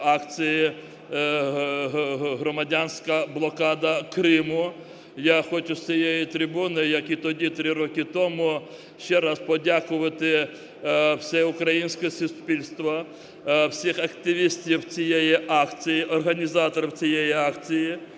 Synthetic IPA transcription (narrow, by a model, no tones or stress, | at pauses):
ɑkt͡sʲɪjɪ | ɦɾɔmɐdʲanʲsʲkɐblˠɔkɑd̪ɐkɾɪmʊ | jaxɔt͡ʃʊst͡sʲijejit̪ɾʲɪbunɪjɐkit̪ɔdʲit̪ɾɪɾɔkɪt̪ɔmʊ | ʃt͡ʃɛɾɑspɔdʲakʊʋɐt̪ɪ | w̥sʲɛʊkɾɐjinʲsʲkɛsʊspʲilʲst̪ʋɐ | wsʲixɐkt̪ɪʋʲisʲtʲiwt͡sʲijɛjiʔɑkt͡sʲijiʔɔrɦɐnʲizɑt̪ɔɾɔwt͡sʲijejiɑkt͡sʲiji